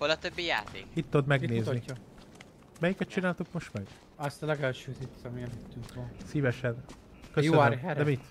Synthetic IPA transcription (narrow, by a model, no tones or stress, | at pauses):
holɒt̪øbːija̰ːt̪ḛːkit̪ːod̪mɛɡneːzni | mɛjikɛt̪̚t͡ʃinaːlt̪ukmoʃt̪mɒjɡ | ɒst̪ɒlɛɡɛlʃøːt̪it̪ːɒmiɛløt̪ːyŋkɔnsiːvɛʃɛn | køjoøøɾɛɾd̪ɛmit̪